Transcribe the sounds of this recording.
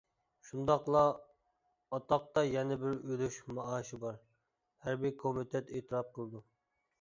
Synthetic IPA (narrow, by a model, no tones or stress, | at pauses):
ʃund̪ɑqlˠɑ | ɑt̪ɑq̚t̪ɑjɛnɛbɪɾølyʃmɑɑːʃɪbɑɾ | hæɾbɪkʰomɪt̪ʰɛt̪ʰeːt̪ʰɨɾɑp̚qʰəlˠɨd̪u